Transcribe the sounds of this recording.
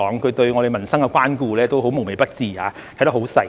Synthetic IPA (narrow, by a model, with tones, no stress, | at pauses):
ɔː˨˥ŋkʰɵ˨˧t̪ɵ˧ɥŋɔː˨˧ɾe˨jmɐ˨˩nsɐ˥ŋkɛ˧kʷwaː˥nkuː˧lɛː˥t̪o˥wɦo˨˥wmo˨˩wme˨˩jpɐ˥t̚t͡siː˨˧ha̰ː˨˧˨jt̪ɐ˥hɦwsɐ˨˩